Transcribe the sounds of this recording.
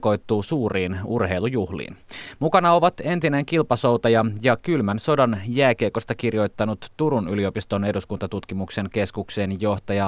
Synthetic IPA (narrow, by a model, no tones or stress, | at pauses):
ko̞jt̪ːuːsuːriːnurhe̞ilujuhlḭːnmukɑnɑo̞ʋɑt̪e̞nt̪ineŋkilpɑsowt̪ɑjɑjɑkylmænso̞dɑnjæːkeːko̞st̪ɑkirjo̞jt̪ːɑnut̪ːuɾunylio̞pist̪o̞neduskunt̪ɑt̪ut̪kimukse̞ŋke̞skukse̞ːnjo̞ht̪ɑjɑ